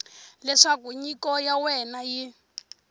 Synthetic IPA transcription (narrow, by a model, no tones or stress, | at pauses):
lɛʂakuɲikɔjawɛnaji